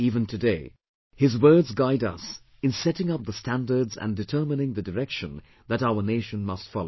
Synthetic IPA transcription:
ivɨ̃ntʰɨdeɪ | hɨzwɜ˞dzɡaɪdʌ̰s | ɨ̃nsɛɾɪ̃ŋʌp̚ðəstʰæ̃ndə˞dzæ̰̃ndɨtʰɜ˞mɨnɪ̃ŋðɨdəɹɛkʃə̃n | ðɨɾaʊə˞neɪʃə̃nmʌstfɑlˠo

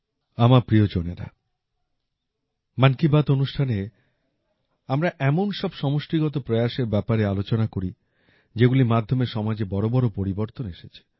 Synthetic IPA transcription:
amaɾpɾiod͡ʑoneɾa̰ | mankibat̪onuʃʈʰane | amɾaʔɛmonʃɔbʃɔmoʃʈiɡɔt̪̬opɾɔjaʃeɾbɛpaɾealot͡ɕonakoɾi | d͡ʑeɡulimad̪ʱːomeɾʃɔmad͡ʑebɔɾobɔɾopoɾiboɾt̪oneʃet͡ɕʰi̥

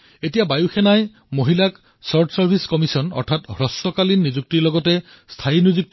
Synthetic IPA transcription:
etijabajuxʰenaj | moɦilak | sɔɹʈʰsɔɹbʰʱiskɔmisɔnɔ̰ɹtʰathɹɔsɔkalinːizuk̚tilɔɡɔte | st̪ʰainizuk̚t

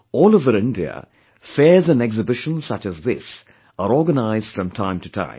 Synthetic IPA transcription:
ɔːlˠovəɾɪ̃ndiə̰ | fɛːzə̃nɛɡzɨbɪʃə̃nz̥sʌt͡ʃɨzðɪs | əɾɔːɡənaɪzd̥fɹʌ̃mtʰãɪ̃mtɨtʰã̰ɪ̃m

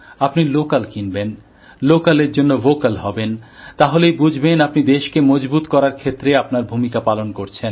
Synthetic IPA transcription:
apnilokalkinben | lokaleɾd͡ʑonːovokalɦɔbent̪aɦolejbud͡ʑʱbenapnid̪eʃkemɔd͡ʑbut̪kɔɾaɾkʰet̪ːɾeapnaɾbʱumikapalonkoɾt͡ɕʰen

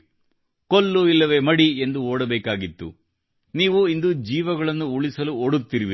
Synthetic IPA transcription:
kolːuilːɐʋe̞ːmɐɽiend̪uoːɽɐbɛːkaːɡit̪ːṵ | niːʋuind̪ud͡ʒiːʋɐɡɐɭɐnːuuɭisɐluoɽut̪ːiɾiʋi

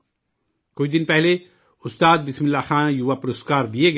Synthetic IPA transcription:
kʊid̪ɪnpɛɦle | ʊst̪aːd̪̚bɪsmɪ̃lːaxãːnjuʋapʊɾoskaːɾd̪ieɡ

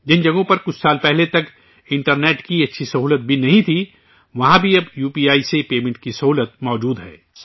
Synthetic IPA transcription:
d͡ʒɪnd͡ʒɐɡõpɐɾkʊt͡ʃʰsaːlpɛɦlet̪ɐk | ɪ̃ɳʈəɾneːʈkiɐtːʃʰisɐɦuːlət̪̚bʱinɐɦĩt̪ʰi | ʋɐɦãbʱiɐbjuːpiːaːisepeːmẽɳʈkisɐɦuːlət̪̚mɔːd͡ʒuːd̪ɦɛ̰ː

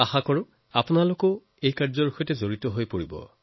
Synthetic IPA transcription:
axakɔɹʊ̃ | apʊnalokɔ | ejkaɹzɔɹuxɔjtɛzoɹitɔɦojpoɹibɔ̰

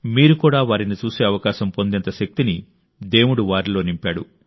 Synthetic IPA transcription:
miːɾukuːɽaːʋaːɾinit͡ʃuːse̞ːɐʋɐkaːʃɐmpo̞nd̪int̪ɐʃɐk̚t̪ini | d̪e̞ːwuɽuʋaːɾilo̞ːnimpaːɽu

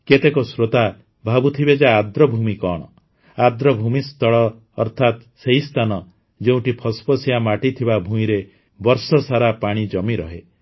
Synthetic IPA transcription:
ket̪ekɔsɾot̪a | bʱabut̪ʰibed͡ʒaːd̪ɾɔbʱumikɔɽ̃ɔ̰ | ad̪ɾɔbʱumist̪ɔɭɔː | ɾt̪ʰat̪ | seist̪ʰanɔ | d͡ʒeũʈipʰɔspɔsijamaʈit̪ʰibabʱũĩɾe | bɔɾsɔsaɾapaɽ̃id͡ʒɔmiɾɔɦe

